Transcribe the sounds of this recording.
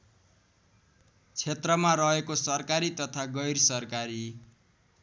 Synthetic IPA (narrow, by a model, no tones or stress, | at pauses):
t͡sʰet̪rʌmaɾʌɦekosʌrkaɾit̪ʌt̪ʰaɡʌjrsʌrkaɾi